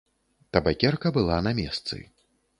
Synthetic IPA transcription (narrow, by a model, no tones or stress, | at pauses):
t̪ɐbakʲɛrkɐbɨlˠanamʲɛst̪sɨ̰